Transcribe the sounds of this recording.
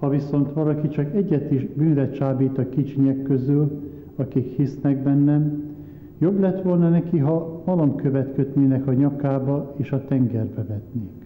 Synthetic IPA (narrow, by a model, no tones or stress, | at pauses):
hɒviso̞nt̪ʋɒlɒkit͡ʃɒkɛɟːɛt̪iʒbyːnvɛt͡ʃaːbiːt̪ɒkit͡ʃiɲɛkːøzyl | ɒkikhisnɛɡ̚bɛnːɛm | jo̞blɛt̪ʋo̞lnɒnɛkiɦɒmɒlɒmkø̞vɛt̪køt̪neːnɛkɒɲɒkaːbɒeːʃɒt̪ɛŋɡɛrbɛvɛt̪neːk